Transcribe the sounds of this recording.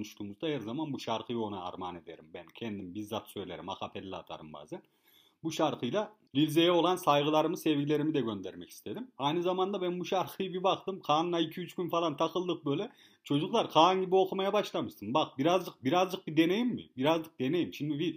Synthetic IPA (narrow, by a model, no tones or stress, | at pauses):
onuʃt̪ʰuːmuzd̪ahæɾzamanbuʃaɾqʰɯjo̞naa̰ɾma̰ːne̞d̪e̞̰ɾimbɛncʰɛnd̪imbizːat̪ʰsø̞jlʲeɾḭma̰kapʰelʲːa̰ːt̪ʰa̰ɾɯmba̰ːzɛn | buʃaɾqʰɯjlˠa | vilʲze̞jɛo̞lˠansajʁɯlˠaɾɯmɯsɛvɟilʲe̞ɾimid̪ɛɟø̞nd̪ɛɾmɛcʰi̥st̪ʰe̞d̪imajnɯzamand̪abænbuʃaɾqʰɯjɯbibaqt̪ɯmqʰaːnɯnaicʰiyt͡ʃkynfalˠant̪ʰaqʰɯlˠːɯq̚bø̞jlʲɛ | t͡ʃʰo̞d͡ʒuklˠaɾqʰaːnɟibioqʰumajabaʃlˠamɯʃt̪ʰɯnbaχbiɾazd͡ʒɯq̚biɾazd͡ʒɯq̚bid̪e̞nejimːḭbiɾazd͡ʒɯq̚d̪e̞ne̞jimʃimd̪ivi